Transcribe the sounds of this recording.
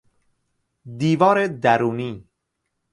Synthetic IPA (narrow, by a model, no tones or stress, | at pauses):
d̪iːvɒːɾed̪æɾuːniː